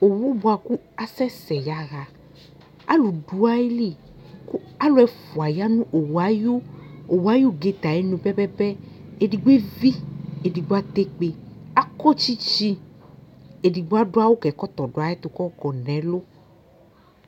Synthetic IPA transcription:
o˨wu˦bo˨˦a˨ku˦ | a˨sɛ˦sɛ˨ja˨ɣa˨ | a̰˦lu˨du˨a˦e˦li˦˨ | ku˦ | a˦lo˨˦ɛ˨fu˨a˨ja˦nũ˦ʔo˨wa˦jo˦o˨wa˦jo˦ɡe˦t̪a˨je˨˦nũ˨bɛ˦bɛ˦bɛ˦e˨di˨ɡ͡be˦vi˦e˨di˨ɡ͡bo˦a˦t̪e˦k͡pe˨a˦kɔ˦t͡ʃi˦t͡ʃi˦ | e˨di˨ɡ͡bo˦a˦ɖo˦a˦wo˦kɛ˨kɔ˦t̪ɔ˨ɖo˨a˨˦ɛ˦t̪o˨kɔ˦kɔ˨nɛ̃˨˦lo˦

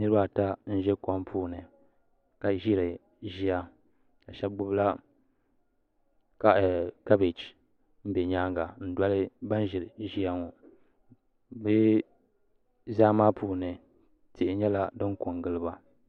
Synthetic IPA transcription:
nɨ˦ɾɨ˦ba˦˨ta˦n̩˦ʒɛ˦ka˦mpʰuː˦nɨ˨ | ka˨ʒi˦ɾɨ˨ | ʒi˦a˦ | ka˨ʃɛ˦bɡ͡bʊ˦bla˦ | ka˨ka˦be˨t͡ʃ | m̩˦bɛ˨ɲaː˦ŋɡa˨n̩˦dwa˦lɨ˦ba˦n˦ʒi˨ɾɨ˨ʒi˦a˦ŋo˨ | bɨ˦ | zaː˦maː˦pʰuː˦nɨ˨ | tʰi˨ʔɪ˦ɲɛ˦la˦dɨ˦ŋkʊ˨ŋɡɨ˦lɨ˦ba˨

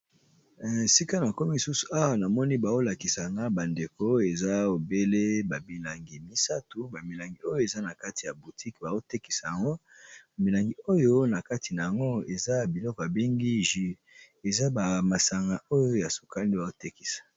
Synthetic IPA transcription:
si˦ka˦na˨ko˦mi˦i˨su˦su̥˨a˦wa˨na˨mɔ˦ni˦ba˨zo˦la˨ki˨sa˨ŋɡa˦ba˨nde˨ko˦e˨za˦o˨be˦le˦ba˨bi˨la˨ŋɡi˨mi˦sa˦tu˨ba˨mi˨la˨ŋɡi˨o˦jo˦e˨za˦na˨ka˦ti˨ja˨bu˨tʰi˦kba˨zo˦te˦ki̥˨sa˨ja˨ŋɡo˦˨mi˨la˨ŋɡi˨o˦jo˦na˨ka˦tʰi˨na˨ja˨ŋɡo˦e˨za˦˨bi˨lɔ˦kɔ˨ja˨be˦ŋɡi˦ʒi˨ | e˨za˦ba˨ma˨sa˨ŋɡa˨o˦jo˦ja˨so̥˨ka˦li˦ba˨o˦te˦ki̥˨sḁ˨

